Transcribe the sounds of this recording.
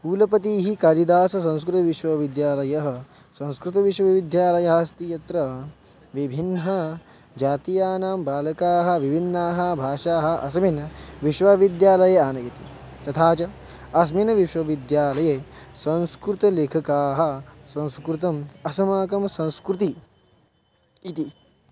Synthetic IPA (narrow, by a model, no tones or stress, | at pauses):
puːlɐpɐt̪̬iːɦikɐɾid̪aːsɐs̬ɐ̃nskɾut̪ɐʋiʃwɐʋid̪jaːlɐjɐɦɐ̆ | sɐ̃nskɾut̪ɐʋiʃwɐʋid̪jaːlɐjɐɦaːst̪ijɐt̪ɾɐ | ʋibʱinɦɐ | d͡ʒaːt̪ijaːnaːmbaːlɐkaːɦɐ̆ʋibʱinːaːɦɐ̆bʱaːʃaːɦɐ̆ʔɐsɐminɐʋiʃʋɐʋid̪jaːlɐjeaːnɐjɐt̪ḭ | t̪ɐt̪ʰaːt͡ʃɐː | s̬minɐʋiʃwɐʋid̪jaːlɐjeː | sɐ̃nskɾut̪ɐleːkʰɐkaːɦɐ̆sɐ̃nskɾut̪̬ɐmɐsɐmaːkɐmsɐ̃nskɾut̪i | t̪i